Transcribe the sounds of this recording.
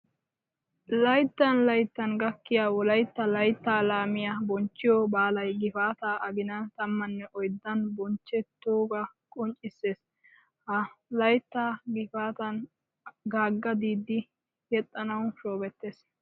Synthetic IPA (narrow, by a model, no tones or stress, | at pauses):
lɐjt̪ːɐnlɐjt̪ːɐnɡɐkːɪjaːwɔlɐjt̪ːɐlɐjt̪ːaːlaːmɪjabɔnt͡ʃːɪjobaːlɐjɡɪfaːt̪aːʔɐɡɪnɐt̪ɐmːɐnːɛʔɔjd̪ːɐnbɔnt͡ʃːɛt̪ːoːɡɐkʼɔnt͡ʃʼːɪsːeːs | hɐlɐjt̪ːaːɡɪfaːt̪ɐn | ɡaːɡːɐd̪iːd̪ɪ | jɛt̪ʼːɐnɐwʃoːbɛt̪ːeːs